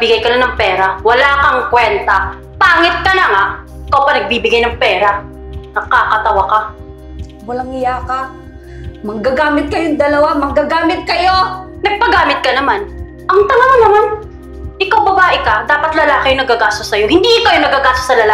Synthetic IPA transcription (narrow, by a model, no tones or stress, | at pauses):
bɪɡajkɐnonɐŋpɛːɾɐwɐlaːkɐŋkwɛnt̪ɐ | paːŋɪt̪̚kɐnɐŋa | ɪkawpɐnɐɡ̚bibɪɡajnɐŋpɛːɾɐ | nɐkaːkɐt̪ɐwaka | wɐlaŋɪjaːkɐ | mɐɡaɡaːmɪt̪̚kɐjoŋd̪ɐlɐwamɐɡaɡaːmɪt̪̚kɐjonɐɡ̚pɐɡaːmɪt̪̚kɐnɐman | ʔɐŋt̪ɐmamɐnɐman | ʔɪkawbɐbaːʔɪkɐd̪aːpɐt̪lɐlaːkɪjʊŋnɐɡaɡaːst̪osːɐjo̞hɪnd̪iʔɪkɐjonɐɡaɡaːst̪osɐlɐla